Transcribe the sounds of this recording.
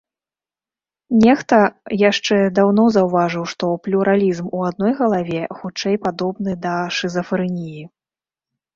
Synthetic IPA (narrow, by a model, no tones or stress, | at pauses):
nʲɛxt̪ɐjaʂt͡ʂɛd̪awnɔzɐwvaʐɨwʂt̪ɔplʲuɾʔalʲizmuad̪̚nɔjɣɐlˠavʲɛxut͡ʂɛjpad̪ɔbnɨd̪ɐʂɨzɐfɾɨnʲiji